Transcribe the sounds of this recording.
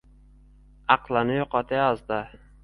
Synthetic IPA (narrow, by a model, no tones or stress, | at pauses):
ɑqlˠanɪjoqɒt̪ʰajɒzd̪ɪ